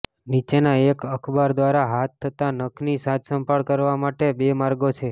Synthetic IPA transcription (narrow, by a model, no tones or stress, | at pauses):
nit͡ʃenaekəkʰbaɾd̪ʋaɾaɦat̪ʰːət̪anəkʰnisat̪ʰsə̃mpəɭkəɾʋamaʈebemaɾɡot͡ʃʰe